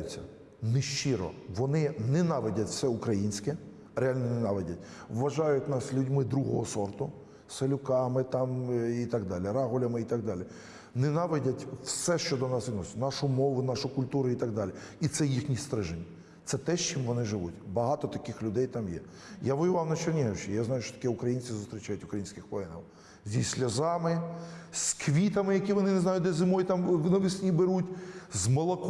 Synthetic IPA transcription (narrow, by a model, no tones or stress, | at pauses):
ʊt͡sʲːɐ̰ | nɪʃt͡ʃɪɾɔ̰ʋɔnɪnɛnɑʋedʲɐtʲwsɛʊkɾɐjinʲsʲkɛ | ɾeɑlʲnɔnenɑʋedʲɐtʲʋʋɐʒɑjʊtʲnɑslʲʊdʲmɪd̪ɾuɦɔɦɔsɔrt̪ʊ | selʲʊkɑmɪt̪ɑmit̪ɑɡd̪ɑlʲiɾɑɦʊlʲɐmɪit̪ɑɡ̚d̪ɑlʲi | nɪnɑʋedʲɐtʲwsɛʃt͡ʃɔd̪ɔnɑsʋɪdnɔsʲʊ̥nɑʃʊmɔʋʊnɑʃʊkʊlʲt̪uɾʊit̪ɑɡd̪ɑlʲiit̪sɛjixnʲist̪ɾɪʒenʲːɐ | t̪sɛt̪ɛʃt͡ʃimʋɔnɪʒɪʋṵtʲbɐɦɑt̪ɔt̪ɐkɪxlʲʊd̪ɛjt̪ɑmjɛ̰ | jaʋɔjʊʋɑwnɐt͡ʃernʲiɦɐʊt͡ʃijaznɑjʊʃt͡ʃɔt̪ɐ̥kɛʊkɾɐjinʲt͡sʲizʊst̪ɾʲɪt͡ʃajʊtʲʊkɾɐjinʲsʲkɪxʋɔjɛnɐ̰w | zʲisʲlʲɐzɑmɪskʋʲit̪ɐmɪjɐkʲiʋɔnɪnɪznɑjʊd̪ɛzɪmɔjt̪ɑmʋɪnɔʋɪsʲnʲibɪɾutʲzmɔlˠɔk